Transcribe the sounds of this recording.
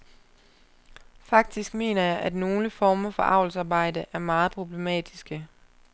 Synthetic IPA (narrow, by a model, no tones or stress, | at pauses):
fɑ̈ɡ̥̚d̥isɡ̥me̝̰ːnɐjɑ̈ɪʔæd̥no̝ːləfɒːmɐfɒ̽ʔɑ̈ʊ̰l̩sɑ̈ːb̥ɑ̈ɪ̰d̥əʔæɐmɑ̈ːð̞̩ˠpʰʁo̝b̥le̝mɛ̰ːd̥isɡ̥ə